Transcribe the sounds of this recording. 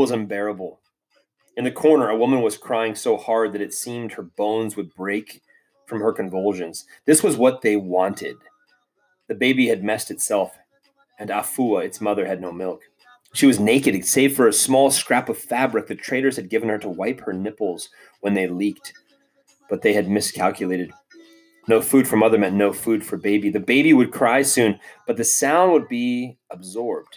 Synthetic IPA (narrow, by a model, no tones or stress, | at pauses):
ʌzɨ̃mbɛɹəbl̩ˠ | ɨ̃nðɨkʰɔɹnə˞əwʊmə̃nwʌz̥kʰɹ̥aɪɪ̃ŋsoʊhɑɹd̪̚ðɨɾɨtsĩmd̚hə˞bõʊ̃nzwɨd̚bɹeɪk | fɹʌ̃mə˞kɨ̃ɱvʌlˠʒɨ̃nz̥ðɪswʌzwʌt̪̚ðeɪwɑ̃ntʰɪ̰d̪̚ | ðɨbeɪbiɨd̚mɛstɨtsɛlˠf | ɨ̃nafuəɨtsmʌðə˞ɨdⁿnoʊmɪlˠk | ʃiwʌzneɪkɨɾɨ̃seɪv̥fə˞ɨsmɔlˠskɹ̥æpʌv̥fæbɹɨk̚ðɨtʰɹ̥eɪɾə˞z̥ɨd̚ɡɪṽn̩ə˞ɾəwaɪphə˞nɪpl̩ˠz̥ | wə̃nðeɪlik̚t̚ | b̥ʌt̪̚ðeɪɨd̚mɨskʰælˠkʰjɨleɪɾɨd̚ | noʊfʉd̥fə˞mʌðə˞mɛ̃nnoʊfʉd̥fə˞beɪbiðɨbeɪbiwɨd̚kʰɹ̥aɪsʉ̃nb̥ʌt̪̚ðɨsãʊ̃nd̚wəd̚biəbzɔɹb̚d̥